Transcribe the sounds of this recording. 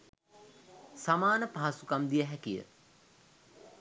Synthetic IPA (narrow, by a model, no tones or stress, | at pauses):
samaːnəpaɦasukamd̪ijəɦækijə̰